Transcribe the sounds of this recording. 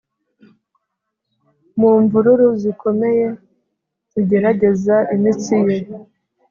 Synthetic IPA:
muɱvuɾuɾuziko̞me̞je̞ | ziɟe̞ɾaɟe̞zaʔimit͡sije

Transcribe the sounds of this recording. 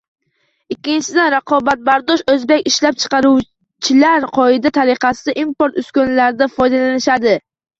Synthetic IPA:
ɪkʲːɪnt͡ʃʰɪd̪anɾɑqʰɒbat̪̚baɾd̪ɒʃɵzbekʲɪʃlap̚t͡ʃʰɨ̥qɑɾuw | t͡ʃʰɪlaɾqʰɒɪd̪at̪ʰaɾɪqʰɑsɪd̪aʔimpoɾt̪ʊskʲonlaɾd̪afɒjd̪alanɪʃad̪ɪ

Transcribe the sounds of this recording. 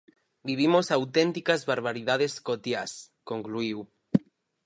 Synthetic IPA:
biβ̞imosawt̪ent̪ikazβaɾβ̞aɾið̞aðeskot̪jas | koŋkluiw

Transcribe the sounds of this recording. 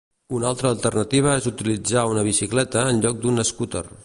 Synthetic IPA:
unalˠt̪ɾəːlˠt̪ərnət̪iβ̞əezut̪ilid͡zaunəβ̞isiklɛt̪əːnʎɔk̚d̪unəskut̪ə̰r

